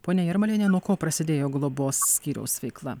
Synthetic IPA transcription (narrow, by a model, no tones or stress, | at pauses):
poːnʲɛjɛɾmɐlʲeːnʲɛnuɔkoːpɾɐsʲɪd̪ʲeːjoːɡlˠoːboːssʲkʲiːɾʲɛ̰ʊsʋʲɛɪklˠɐ̰